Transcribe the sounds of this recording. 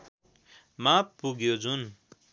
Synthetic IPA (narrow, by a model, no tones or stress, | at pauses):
mapːuɡjod͡zun